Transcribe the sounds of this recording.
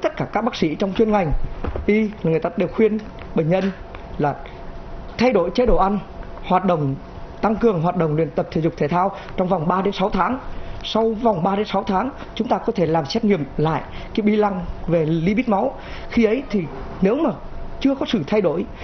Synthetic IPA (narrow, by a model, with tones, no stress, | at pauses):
t̪ə˦˥t̚kaː˧˩kaː˦˥k̚ɓaː˦˥k̚sḭ˧˥t͡ɕwŋ͡mt͡ɕwi˧ənŋa˨˩jŋ̟ʔi˧laː˨˩ŋɨ˨˩jt̪aː˧˥˩ɗe˨˩wxwi˧ən | ɓə̈˧˩ŋ̟ɲə˧n | laː˨˩ | t̪ʰa˧jɗo̰˧˨jt͡ɕe˨˦ɗo̰˧˩ʔa˧jn | hwaː˨˩t̚ɗə̰˧˨wŋ͡m | t̪a˧ŋkɨ˨˩əŋɦwaː˨˩t̚ɗə̰˧˨wŋ͡mlwḭ˧˨ənt̪ə˨˩p̚t̪ʰḛ˧˨˩zʊ˨˩t̪ʰe˨˩t̪ʰaː˧w | t͡ɕɔ˧wŋ͡mva˨˩wŋ͡mɓaː˧ɗe˨˦nsɔ˨˦wt̪ʰaː˨˦ŋsa˧wva˨˩wŋ͡mɓaː˧ɗe˨˦nsɔ˨˦wt̪ʰaː˨˦ŋ | t͡ɕʊ˨˦ŋ͡mt̪aː˧kɔ˨˦t̪ʰe˧˩laː˨˩msɛ˦˥t̚ŋḭ˧˨əmla̰ː˧˨jkaː˨˦ɓi˧la˧ŋve˨˩li˨˦ɓi˦˥t̚ma˨˦w | xi˧ʔə˨˦jt̪ʰi˨˩ne˨˦wmaː˨˩t͡ɕɨ˧əkɔ˨˦sɨ˧˩t̪ʰa˧jɗo̰˧˩˨j